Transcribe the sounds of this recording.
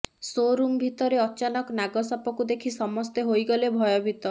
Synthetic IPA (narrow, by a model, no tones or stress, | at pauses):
soɾumbʱit̪ɔɾeɔt͡ʃanɔknaɡɔsapɔkud̪ekʰisɔmɔst̪eɦojɡɔlebʱɔjɔbʱit̪ɔ